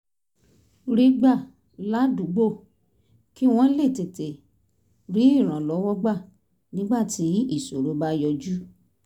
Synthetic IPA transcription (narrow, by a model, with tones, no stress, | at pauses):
ɾi˦ɡ͡ba˦˨ | la˦du˨˦ɡ͡bo˦˨ | ki˦w̃ɔ̃˦le˦˨te˨te˨ | ɾi˨˦i˦˨ɾ̃ã˨lɔ˨˦wɔ˦ɡ͡ba˦˨ | nĩ˨˦ɡ͡ba˦˨ti˨˦i˦˨so˨ɾo˨˦ba˦jɔ˧d͡ʒu˦